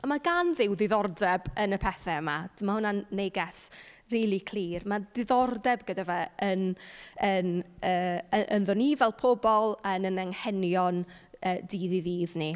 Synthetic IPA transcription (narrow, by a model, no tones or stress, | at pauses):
amaɡanðɪwðɪðɔrdɛbənəpʰɛθɛmad̥mahʊnanːeɡɛs | riːlˠikʰl̥ˠiːrmadɪðɔrdɛbɡədavɛənənəːəʔənðɔnivɛlˠpʰɔbɔlˠənənɛŋhɛnjɔn | əːdiðiðiːðni